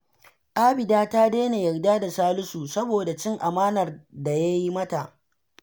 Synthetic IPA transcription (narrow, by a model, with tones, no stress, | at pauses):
ʔaː˦bɪ˨daː˦ta˦deː˦ne˨jɐ˨rdaː˦da˨saː˦lʊ˦su˨sɐ˦boː˨da˨t͡ʃɪ˦ŋʔa˨maː˦nɐ˨rda˨ja˦ji˦mɐ˦ta˨ʔ